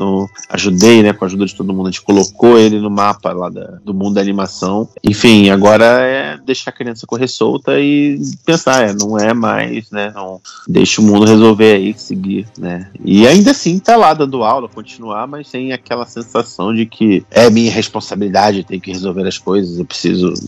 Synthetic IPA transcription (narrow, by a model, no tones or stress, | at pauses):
nɐ̃w̃a̰ʒud̪ejnɛkõaʒud̪ɐd͡ʒɪt̪od̪ʊmũd̪ʊt͡ʃɪ̥kolokoelɪnʊmapɐlad̪ɐ̰d̪ʊmũnd̪ʊd̪animasɐ̃w̃ḛ̃fĩj̃aɡɔɾɐɛd̪ejʃaɾkɾiɐ̃sɐkoɦesowt̪ɐɪpẽsaɾɛnɐ̃w̃ɛma̰jznɛnɐ̃w̃d̪ḛjʃʊmũnd̪ʊɦezowveɾaisɪɡiɾnɛɪ̰aĩnd̪ɐsĩt̪alad̪ɐ̃nd̪ʊawlɐkõt͡ʃinuaɾmɐst̪ẽj̃akɛlɐsẽsasɐ̃w̃d͡ʒɪkʰɪɛmĩɲɐheʃpõsabilid̪ad͡ʒɪet̪ẽjʊkɪhezowveɾɐskojzɐzewpɾɪ̥sḭzʊ̰